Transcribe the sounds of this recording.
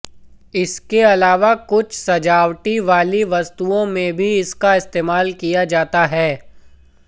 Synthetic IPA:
ɪskeɐlaːʋakʊt͡ʃʰsɐd͡ʒaːʋʈiʋaːliʋɐst̪uõmẽbʱiɪskaɪst̪eːmaːlkijad͡ʒaːt̪aɦɛː

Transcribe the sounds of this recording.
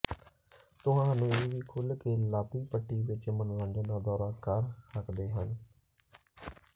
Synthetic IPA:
t̪ʊɦãːɦaːnũːʋiːkʰʊlkeːlaːpiːpəʈːiːʋɪt͡ʃmənɾãːɳd͡ʒənaːd̪ɔːɾaːkəɾsəkd̪eːɦən

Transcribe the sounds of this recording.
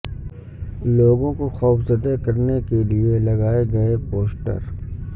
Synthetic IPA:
loːɡõkoxɔːfzɐd̪ekɐɾnekelielɐɡaːeɡɐepoːsʈə̰ɾ

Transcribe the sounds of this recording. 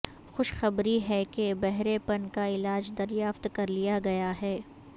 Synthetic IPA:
xʊʃxɐbɾiɦɛkebɛɦɾepɐnkaɪlaːd͡ʒd̪ɐɾjaːft̪kɐɾlijaɡɐjaɦɛː

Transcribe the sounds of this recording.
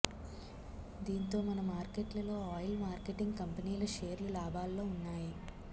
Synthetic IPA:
d̪iːnt̪o̞ːmɐnɐmaːɾkeʈlɐlo̞ːaːjɐlmaːɾkeʈiŋɡkɐmpɐniːlɐʃeːɾlulaːbʱaːlːo̞ːunːaːji

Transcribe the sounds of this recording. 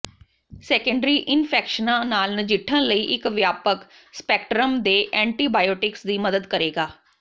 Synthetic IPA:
sɛːkə̃ɳɖɾiːʔɪnpʰɛːkʃənãːnaːlnəd͡ʒɪʈʰːə̃nləiːʔɪkʋjaːpək | spɛːkʈɾəmd̪eːʔɛ̃ːɳʈiːbaːjoːʈɪksd̪iːməd̪əd̪kəɾeːɡaː

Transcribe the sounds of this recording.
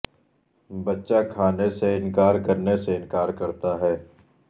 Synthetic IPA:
bɐtːʃakʰaːneseɪ̃nkaːɾkɐɾneseɪ̃nkaːɾkɐɾt̪aɦɛː

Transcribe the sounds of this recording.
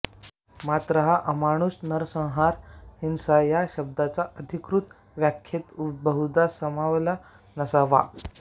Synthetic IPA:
mat̪ɾəɦaʔəmaɽ̃usnəɾsə̃w̃ɦaɾhinsajaɕəb̚d̪at͡saʔəd̪ʱikɾut̪ | ʋjakʰːjet̪ubəɦud͡z̪asəmaʋla | nəsaʋa̰

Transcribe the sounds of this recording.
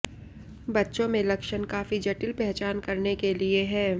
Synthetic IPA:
bɐtːʃõmẽlɐkʃənkaːfid͡ʒɐʈɪlpɛɦt͡ʃaːnkɐɾnekelieɦɛ̃ː

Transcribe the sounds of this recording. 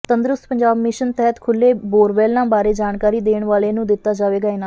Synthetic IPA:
t̪ənd̪ɾʊst̪pəɲd͡ʒaːbmɪʃənt̪ɛɦət̪kʰʊlːeːboːɾʋɛːlnãːbaːɾeːd͡ʒaːnkaːɾiːd̪eːɳʋaːleːnũːd̪ɪt̪ːaːd͡ʒaːʋeːɡaːeːnaː

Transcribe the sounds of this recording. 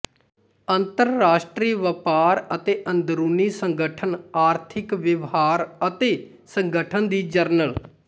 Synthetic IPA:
ənt̪əɾːaːʃʈɾiːʋəpaːɾət̪eːʔənd̪ɾuːniːsəŋɡəʈʰənaːɾt̪ʰɪkʋɪʋɦaːɾət̪eː | səŋɡəʈʰənd̪iːd͡ʒəɾnəl

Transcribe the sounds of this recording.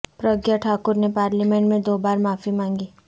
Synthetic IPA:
pɾəɡjaʈʰaːkʊɾnepaːɾlimẽɳʈmẽd̪oːbaːɾmaːfimãːŋɡiː

